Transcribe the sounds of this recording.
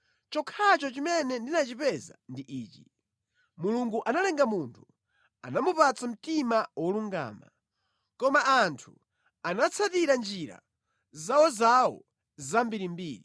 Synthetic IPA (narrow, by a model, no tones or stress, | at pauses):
t͡ʃɔkʰat͡ʃɔt͡ʃimɛnɛndinat͡ʃipɛza̰ndiʔiːt͡ʃi | muluŋɡuʔanalɛŋɡamuntʰu | a̰namupat͡sam̩timawɔluŋɡa̰ːma̰ | kɔmaʔantʰu | anat͡sʰatiɾand͡ʒiɾa̰ | zawɔzawɔ̰ | zambiɾimbiːɾi